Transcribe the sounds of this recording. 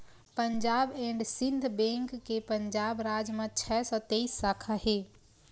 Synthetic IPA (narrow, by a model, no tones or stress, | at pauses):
pəɲd͡ʒabeɳɖsind̪ʱbẽŋkːepəɲd͡ʒabɾad͡ʒmẽt͡ʃʰɛsɔt̪eisːakʰaɦe